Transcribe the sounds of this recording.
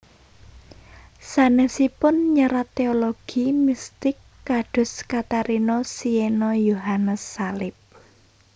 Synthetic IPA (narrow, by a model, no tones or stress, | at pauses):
sanəsipʊnɲəɾat̪eoloɡ̥imist̪ɪkːaɖ̥ʊ̤skat̪aɾinɔsienɔjoɦanəsːalɪp̚